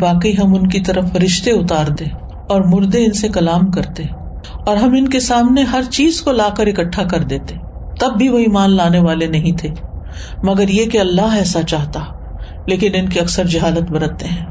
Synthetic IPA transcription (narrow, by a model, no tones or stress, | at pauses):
ʋaːkəiɦɐmʊnkit̪ɐɾəfːɐɾɪʃt̪eʊt̪aːɾd̪ẽː | ɔːɾmʊɾd̪eɪnsekɐlaːmkɐɾt̪eː | ɔːɾɦɐmɪnkesaːmneɦɐɾt͡ʃiːzkolaːkəɾɪkəʈʰːakɐɾd̪eːt̪e | t̪ɐbːiʋoiːmaːnlaːneʋaːlenɐɦĩt̪ʰeː | mɐɡəɾjekeɐlːaːɦɛːsat͡ʃaːɦt̪aː | leːkɪnɪnkiɐksəɾd͡ʒɐɦaːlət̪bɐɾət̪eɦɛ̃ː